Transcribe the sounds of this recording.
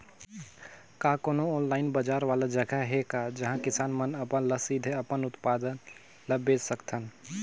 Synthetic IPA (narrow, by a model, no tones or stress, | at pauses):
kakonooːnlaɪnbəd͡ʒaɾʋalad͡ʒəɡaɦekad͡ʒəɦãkɪsaːnmənəpənləsid̪ʱeəpənʊt̪pad̪ən | ləbed͡ʒsəkt̪ʰən